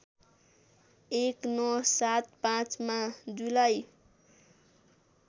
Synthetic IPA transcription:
eknɔsat̪̚pãt͡smad͡ʒulaj

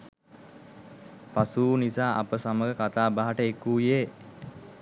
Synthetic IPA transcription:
pasuːnisaːʔapəsaməɡəkat̪aːbaɦaʈəekuːjeː

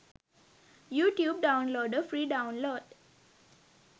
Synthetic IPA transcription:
juːʈjuːb̚ɖãʊ̃nloːɖəfɾiːɖãʊ̃nloːɖ

